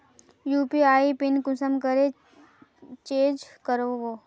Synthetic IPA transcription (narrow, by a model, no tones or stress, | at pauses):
juːpiaːipɪnkʊsəmkəɾe | t͡ʃẽːd͡ʒkəɾoʋoː